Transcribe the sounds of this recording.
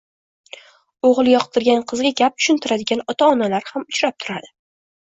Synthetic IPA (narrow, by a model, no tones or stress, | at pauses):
oʁlˠjɒqt̪ʰɪɾɡʲanqʰɨzɡʲaɡʲap̚t̪ʰʊ̥ʃɪnt̪ʰɪɾad̪ɪɡʲanɒt̪ʰaɒnalaɾhamʊt͡ʃɾap̚t̪ʰʊɾad̪ɪ